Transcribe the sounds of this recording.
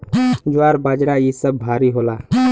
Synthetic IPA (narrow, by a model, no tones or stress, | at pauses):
d͡ʒʊaːɾbaːd͡ʒɾajisəbːʱaːɾiɦoːlaː